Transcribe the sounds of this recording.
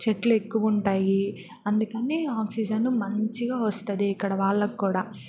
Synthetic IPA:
t͡ʃeʈlue̞kːuʋɐuɳʈaːji | ɐnd̪ukɐniːaːksid͡ʒɐnumɐɲt͡ʃiɡaːʋɐst̪ɐd̪iːkːɐɽɐʋaːɭːɐkikuːɽaː

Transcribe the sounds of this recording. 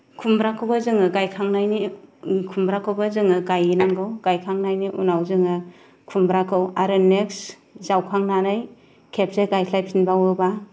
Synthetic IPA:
kʰumbɾakʰɯwbazɯŋɯɡajkʰaŋnajnikʰumbɾakʰɯwbazɯŋɯɡajinaŋɡɯwɡ̥ajkʰaŋnajniʔunawzɯŋɯ | kʰumbɾakʰɯwaɾɯneks | zawkʰaŋnanɯj | kʰep̚zeɡajʰlajpʰinbawɯba

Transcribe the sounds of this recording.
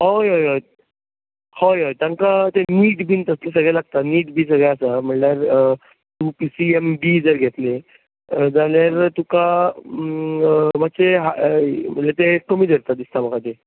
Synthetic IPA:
ɦojɦojɦo | hojɦojt̪jãŋkat̪eniːʈbʱint̪əsles̬əɡɭjalaɡ̚t̪aniːʈbʱiːs̬əɡɭjasam̤əɳljaɾ | t̪upisiembiːd͡zəɾɡʱet̪le | d͡zaljaɾt̪uka | makseɦam̤əɳlet̪ekəmiːd̪ʱəɾt̪at̪d̪ist̪amakat̪e

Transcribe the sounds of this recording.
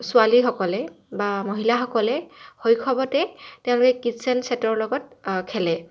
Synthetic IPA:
sʊalixɔkɔlɛ | bamoɦilaxɔkɔlɛxojkʰɔbɔtɛteoʊ̃lukɛkitsɛnsɛtɔɹlɔɡɔt̚kʰɛlɛ

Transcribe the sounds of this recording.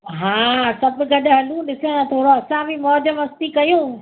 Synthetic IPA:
ɦaːsɐbɡɐɗʊ̆ɦɐlũɗɪsẽãt̪ʰoːɾoɐsãbʱimɔːd͡ʑəmɐst̪ikɐjũː

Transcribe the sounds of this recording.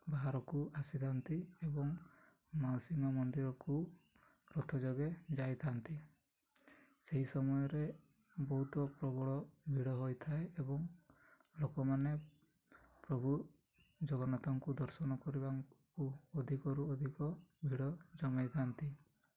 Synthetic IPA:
baɦaɾɔkuasit̪ʰant̪iebɔŋ | mawsimɔmɔnd̪iɾɔku | ɾɔt̪ʰɔd͡ʒɔɡed͡ʒajt̪ʰant̪i | seɦisɔmɔjɔɾe | bɔɦut̪ɔpɾɔbɔɭɔbʱiɽɔɦojt̪ʰaeebɔŋ | lokɔmane | pɾɔbʱu | d͡ʒɔɡɔnat̪ɔŋkud̪ɔɾsɔnɔkɔɾibakuɔd̪ʱikɔɾuɔd̪ʱikɔbʱiɽɔd͡ʒɔmajt̪ʰant̪i

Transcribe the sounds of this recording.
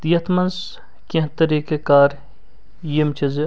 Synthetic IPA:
t̪jɐt̪ʰmɐns | kʲẽɦt̪ɐɾiːkekaːɾ | jimt͡ʃʰɐzi

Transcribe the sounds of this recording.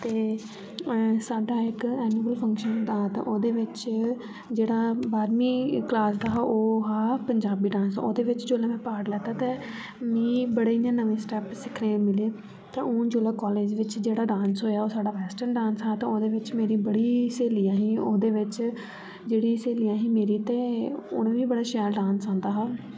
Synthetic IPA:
t̪eː | saːɖaːɪkɛːniːməlpʰə̃ŋkʃənd̪aːt̪ã̰ːʔoːd̪eːʋɪt͡ʃ | d͡ʒeːɽaːbaːɾmĩːklaːsd̪aːɦoːɦaːpəɲd͡ʒaːbiːɖãːnsã̰ːoːd̪eːʋɪt͡ʃd͡ʒoːlãːmɛ̃ːpaːɽlɛːt̪aːt̪eː | mĩːbəɽeːijãːnəʋẽːsʈɛːpsɪkʰnẽːmɪleː | t̪ãːõːd͡ʒoːlaːkɔːleːd͡ʒʋɪt͡ʃd͡ʒeːɽaːɖãːnsɦoːjaːoːsaːɖaːʋɛːsʈənɖãːnsɦaːt̪ãːoːd̪eːʋɪt͡ʃmeːɾiːbəɽiːseːlijaːɦĩːoːd̪eːʋɪt͡ʃ | d͡ʒeːɽiːseːlijãːɦĩːmeːɾiːt̪ẽːʊ̰ñẽːʋiːbəɽaːʃɛːɾɖãːnsãːnd̪aːɦaː

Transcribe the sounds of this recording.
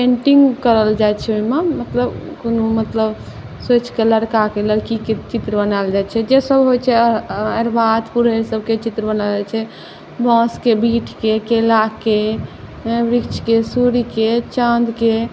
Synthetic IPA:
pẽɳʈiŋɡkəɾəld͡ʒajt͡ʃʰɛoimamət̪ləbkonumət̪ləb | sot͡ʃkeləɾkakeləɾkiket͡ʃit̪ɾbənald͡ʒajt͡ʃʰɛd͡ʒesəbɦojt͡ʃʰɛəɾbad̪puɾɦeɾsəbʱket͡ʃit̪ɾəbənald͡ʒat͡ʃʰɛ | bɔ̃skebiʈʰkekelake | ɾikt͡ʃʰkesuɾiket͡ʃãnd̪ʱke

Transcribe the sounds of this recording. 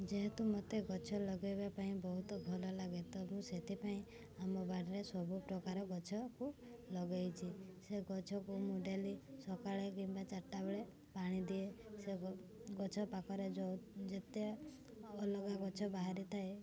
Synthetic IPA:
d͡ʒeɦet̪umɔt̪eɡɔt͡ʃʰɔlɔɡejbapaĩbɔɦut̪ɔbʱɔlɔlaɡet̪ɔbũset̪ʰipaĩ | amɔbaɽiɾesɔbupɾɔkaɾɔɡɔt͡ʃʰɔkulɔɡajt͡ʃʰiseɡɔt͡ʃʰɔkumuɖalisɔkaɭekimbat͡ʃaʈːabeɭe | paɽ̃id̪ieseɡɔt͡ʃʰɔpakɔɾed͡ʒɔd͡ʒet̪e | ɔlɔɡaɡɔt͡ʃʰɔbaɦaɾit̪ʰae

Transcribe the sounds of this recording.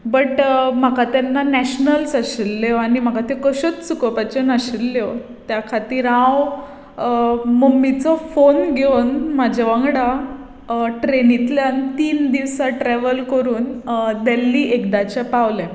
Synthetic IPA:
bəʈm̤akat̪ɛnːanɛɕnəlsəɕilːeʋañim̤akat̪ekəɕət͡st͡sukɔpat͡ɕənaɕilːeʋ | t̪jakʰat̪iːɾãw | məmːit͡sɔfonɡʱewnmad͡ʑʱaʋãŋɡɽa | ʈɾenit̪ljant̪iːnd̪iʋsaʈɾɛʋəlkəɾuːnd̪elːiːʔekd̪at͡ɕapaʋlɛ̃

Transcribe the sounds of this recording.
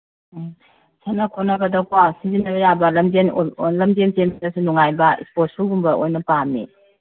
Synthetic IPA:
sʰenɐkʰonːɐɡɐdɐkwasizinːɐbɐjabɐlɐmd͡ʒenlɐmd͡ʒentenɐsinuŋajbɐḭspot̚suɡumbɐʔojnɐpamḭ

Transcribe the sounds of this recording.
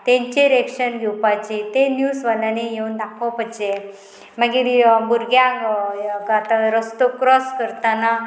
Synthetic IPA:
t̪ẽɲt͡ɕeɾekʂənɡʱewpat͡ɕit̪enjusʋalanejeund̪akʰɔpət͡ɕe | məɡibuɾɡja | at̪aɾəst̪okɾɔskəɾt̪ana

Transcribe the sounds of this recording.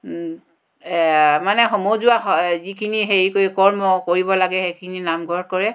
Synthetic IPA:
manɛxɔmozʊazikʰiniɦeɹikojkɔɹmɔkoɹibɔlaɡɛxejkʰininamɡʱɔɹkɔɹɛ

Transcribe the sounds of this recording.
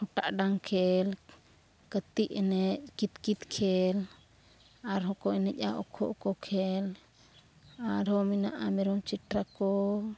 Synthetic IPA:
huʈaʔɖaŋkʰɛl | kət̪iʔɛnɛkit̪kit̪kʰɛl | aɾɦɔkɔɛnɛca̰ʔɔ̰kʰɔ̰ʔkɔkʰɛl | aɾɔmina̰ʔamɛɾɔmt͡ʃiʈɾakɔ

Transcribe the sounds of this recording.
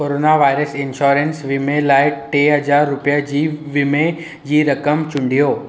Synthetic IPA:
koːɾoːnaʋaːɪɾəsɪnʃɔːɾensʋimẽlaːɪʈeɦɐd͡ʒaːɾːʊpjad͡ʑiːʋimẽ | jiɾɐkəmt͡ʃʊ̃ɳɖʱijoː

